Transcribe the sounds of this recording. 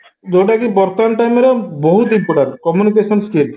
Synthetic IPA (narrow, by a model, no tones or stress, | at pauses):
d͡ʒoʈakipɔɾt̪anʈajmeɾɔbɔɦud̪ibɔɽaɾkɔmjunikesɔnskel